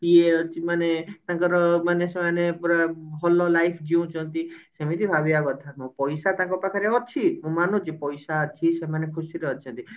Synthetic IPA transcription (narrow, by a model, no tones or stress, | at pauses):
ieɔt͡ʃʰimanet̪ãŋkɔɾɔmanesemanepuɾaɦɔlolajpʰd͡ʒiũt͡ʃʰɔ̃nt̪isemit̪ibʱabiaɡɔt̪ʰamũpɔjsat̪ãŋkɔpakʰaɾeɔt͡ʃʰiũmanũd͡ʒepɔjsat͡ʃʰisemanekʰusiɾeɔt͡ʃʰɔ̃nt̪i